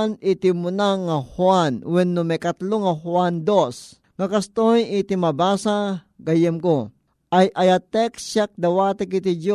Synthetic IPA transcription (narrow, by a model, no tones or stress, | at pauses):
nit̪imʊnaŋɐhwanwɛnːʊmɛjkɐt̪loŋɐhwand̪os | ŋɐkɐst̪ojɪt̪ɪmɐbaːsa | ɡɐjɛmko | ʔajʔɐjat̪ɛksak̚d̪ɐwaːt̪ɪkɪt̪id͡ʒo